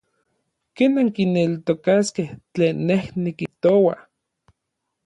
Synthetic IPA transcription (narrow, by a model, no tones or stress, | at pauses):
keːnaŋkinelt̪okaskeht͡ɬeːnːehnikiht̪owa